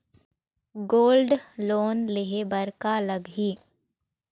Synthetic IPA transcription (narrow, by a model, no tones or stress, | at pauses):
ɡoːlɖloːnleɦebəɾkaləɡɦiː